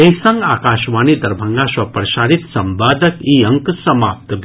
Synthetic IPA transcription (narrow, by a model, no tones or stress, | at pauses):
eɦsɐ̃ŋɡaːkaːʃʋaːnid̪ɐɾbʱɐŋɡaːʃʋɐpɾɐʃaːɽit̪sɐmbaːd̪əkiɐ̃ŋksɐmaːp̚t̪b